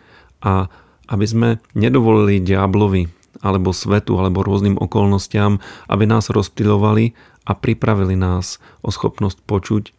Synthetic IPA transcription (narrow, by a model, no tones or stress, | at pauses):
ʔa | ʔabizmɛɲɛd̪ɔʋɔliliɟɪablɔʋi | alɛbɔsʋɛt̪ṵalɛbɔɾʊɔzniːmʔɔ̰kɔlnɔscɪamʔa̰binaːzɾɔspiʎɔʋali | ʔapɾipɾaʋilinaːz | ʔɔsxɔpnɔsc̚pɔt͡ʃuc